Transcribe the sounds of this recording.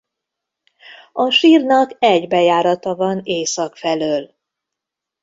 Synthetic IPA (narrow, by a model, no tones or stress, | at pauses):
ɒʃiːrnɒkɛɟbɛjaːɾɒt̪ɒvɒneːsɒkfɛløːl